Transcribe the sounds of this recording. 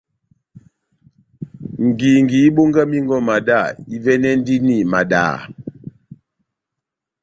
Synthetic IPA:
ŋ̩˨ɡi˨ŋ˨ɡi˨˦ɓo˦ŋɡa˦mi˦ŋ˦ɡɔ˦ma˨da˦˨i˦vɛ˦nɛ˦n˦di˦ni˦˨ma˨da̰ː˨

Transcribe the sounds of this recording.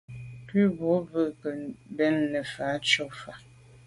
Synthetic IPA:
pʉ˦bɔ˨˦və˦˨ʔkə˨bɛ˦nːə˨fa˨˦t͡ʃɔ˦fa˨

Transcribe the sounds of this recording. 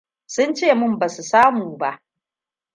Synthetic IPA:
sʊ˦nt͡ʃeː˦˨mʊ˦mba˨su˨saː˦muː˨ba˦ʔ

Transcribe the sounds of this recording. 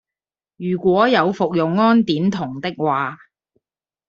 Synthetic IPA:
jyː˨˩kʷɔː˨˥jɐ˨˧wfʊ˨k̚jʊ˨ŋːɔː˥nt̪iː˨˥nt̪ʰʊ˨˩ŋt̪ɪ˥k̚waː˨

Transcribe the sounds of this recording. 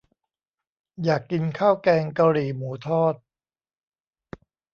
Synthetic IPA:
jaː˨˩kːi˧nkʰaː˥˩wkɛː˧ŋka˧wɾiː˨˩muː˩˦t̪ʰɔː˥˩t̪̚

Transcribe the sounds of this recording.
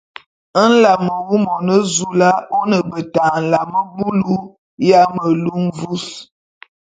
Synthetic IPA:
ə˦n̩˦la˨mə˨wu˦mɔ˨nə˦zu˦la˦o˦nə˨bə˨taː˨n̩˨la˨mə˦bu˦lu˦ | ja˦mə˨lu˦m˦vu˦s

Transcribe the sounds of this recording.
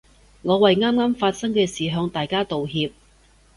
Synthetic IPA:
ŋɔː˨˧wɐ˨jŋaː˥mŋaː˥mfaː˧t̚sɐ˥ŋkɛː˧siː˨ɦœː˧ŋt̪aː˨jkaː˥t̪o˨wɦiː˧p̚

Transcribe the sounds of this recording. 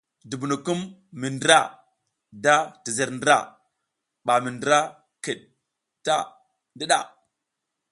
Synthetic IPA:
du˨bu˨nu˨ku˦mːi˨ndɾa˦˨ | da˦ti˨zə˨ɾndɾa̰˦˨ | ɓa˨mi˨ndɾa˦ | ki˨ɗ | ta˦ | ndi˦ɗa̰˦˨

